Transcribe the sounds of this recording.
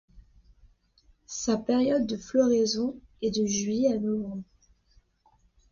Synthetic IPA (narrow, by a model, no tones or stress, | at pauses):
sapɛʁjɔd̪ːəflɔʁezɔ̃ɛd̪əʒɥianɔvɑ̃bʁ